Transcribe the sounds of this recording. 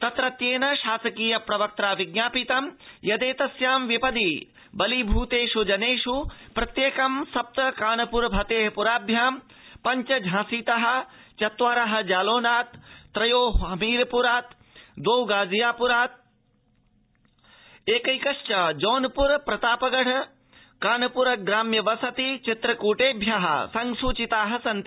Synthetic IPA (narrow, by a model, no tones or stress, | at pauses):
t̪ɐt̪ɾɐt̪jeːnɐʃaːsɐkiːjɐpɾɐʋɐk̚t̪ɾaːʋiɡɲaːpit̪ɐmjɐd̪eːt̪ɐsjaːmʋipɐd̪i | bɐlibʱuːt̪eːʃud͡ʒɐneːʂupɾɐt̪jeːkɐmsɐp̚t̪ɐkaːnɐpuɾbʱɐt̪eːɦpuɾaːbʱjaːm | pɐɲt͡ʃɐd͡ʒʱãːsiːt̪ɐɦɐ̆t͡ʃɐt̪ʋaːɾɐɦɐ̆d͡ʒaːloːnaːt̪ːɾɐjoːɦɦɐmiːɾɐpuɾaːt̪ | d̪oːwɡaːd͡ʒijaːpuɾaːt̪̚ | eːkɐjkɐʂt͡ʃɐd͡ʒoːnpuɾpɾɐt̪aːpɐɡɐɽɐ | kaːnɐpuɾɐɡɾaːmjɐʋɐsɐt̪it͡ʃit̪ɾɐkuːʈeːbʱjaɦɐ̰sɐŋsuːt͡ʃit̪aːɦɐ̆sɐnt̪